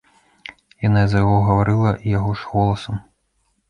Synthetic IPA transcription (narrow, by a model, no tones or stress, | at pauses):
janaizɐjaɣɔɣɐvaɾɨlˠɐʔijaɣɔʂɣɔlˠɐsɐm